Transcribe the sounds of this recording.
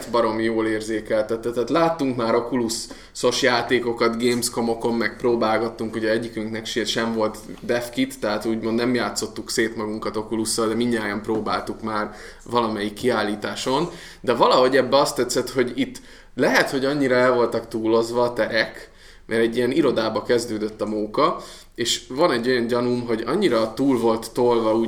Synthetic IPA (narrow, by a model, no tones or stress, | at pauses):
t̪bɒɾo̞mijoːleːrzeːkɛlt̪ɛt̪ːɛt̪ːɛt̪laːt̪ːuŋkmaːɾokulusː | o̞ʃjaːt̪eːko̞kɒt̪ɡeːmsko̞mo̞ko̞mːmɛk̚proːbaːlɡɒt̪ːuŋkuɟɛɛɟːikyŋknɛkʃeʃɛɱvo̞lt̪d̪ɛfkit̪ːɛɦaːt̪uːɟmo̞nd̪nɛmjaːt̪so̞t̪ːukseːt̪mɒɡuŋkɒt̪o̞kulusːɒld̪ɛmiɲːaːjɒmproːbaːlt̪ukmaːr | vɒlɒmɛjikːiaːlːiːt̪aːʃo̞n | d̪ɛvɒlɒɦo̞ɟɛbːɛɒst̪ɛt̪sɛt̪ho̞ɟit̪ː | lɛɦɛt̪ho̞ɟɒɲːiɾɒɛlvo̞lt̪ɒkt̪uːlo̞zʋɒːt̪ɛɾɛk | mʔɛɾɛɟːijɛniɾo̞d̪aːbɒkɛzd̪øːd̪øt̪ːɒmoːkɒ | eːʃvɒnɛɟːo̞jɒɲɟɒnumɦo̞ɟɒ̰ɲːiɾɒt̪uːlvo̞lt̪ːolvɒuː